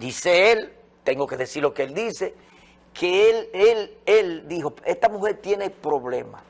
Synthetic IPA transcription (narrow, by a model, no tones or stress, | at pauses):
d̪iseel | t̪e̞ŋɡoke̞ðesiɾlo̞keeld̪ise | kʰeeleleld̪iɦoest̪amuhe̞ɾt̪je̞ne̞pɾoβle̞̰ma̰